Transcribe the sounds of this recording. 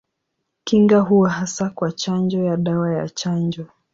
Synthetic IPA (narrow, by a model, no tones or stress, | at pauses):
kiŋɡaɦuɔɦasakwat͡ʃand͡ʒɔjaɗawaja̰t͡ʃand͡ʒɔ